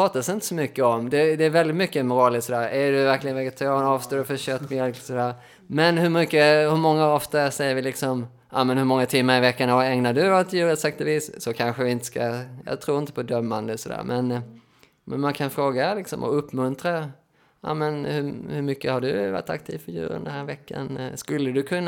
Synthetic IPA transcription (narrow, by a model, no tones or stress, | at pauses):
pʰɑːt̪asɪnt̪ə̥sɔmʏkːəɔmd̪ɛd̪ɛæɾvɛld̪ɪt̪mʏkːəmʊɾɑːlɪt̪sɔd̪æːɾæɖɵvæɾklɪɡənvɛɡɛt̪ʰaɾɑːnɑːvst̪oːɖɵfœɕœt̪ːmjœlksɔd̪æːɾ | mɛnhɵmʏkːəhɵɾmɔŋːaɔft̪asɛjːəɾvɪlɪksɔm | ʔa̰ːmɛnhɵɾmɔŋːat̪ʰɪmːaɾɪvɛkːanaɛŋnadɵɔt̪ʰːjʉːɾɛt̪sɛk̚t̪ɔviːssɔkʰanɧəvɪɪnt̪ə̥skajɑ̰ːt̪ʰɾuːɾɪnt̪əpʰɔd̪œmːand̪əsɔd̪æ̰ːɾmʔɛn | mɛnmankʰanfɾoːɡalɪksɔ̰mɔ̰ɵpːmɵnt̪ɾa | a̰ːmɛnhʉhɵɾmʏkːəhaɖɵva̰ʈ̪ːa̰k̚t̪ʰiːvfœɾjʉ̟̰ːɾə̰nd̪ənhæːɾvɛkːa̰nskɵlːəd̪ɵkʰɵnː